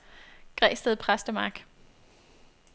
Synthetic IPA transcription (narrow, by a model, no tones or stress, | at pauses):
ɡ̥ʁɛ̰ːsd̥əðˠpʰʁasd̥əmɑ̈ɡ̥